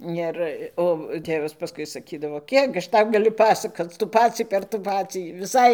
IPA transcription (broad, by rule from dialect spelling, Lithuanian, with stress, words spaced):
ˈɪr ˈoː ˈtʲeːʋɐs pɐˈskʊɪ sɐˈkʲiːdɐʋoː ˈkʲiɛk ɐʃ ˈtɐʊ ɡɐˈlʲʊ ˈpɑːsɐkoːt͡s ˈtuː ˈpɑːt͡sʲiː pʲɛr ˈtuː ˈpɑːt͡sʲiː ʋʲɪˈsɐɪ